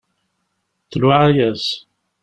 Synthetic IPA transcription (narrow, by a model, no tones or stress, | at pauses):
θluʕajæs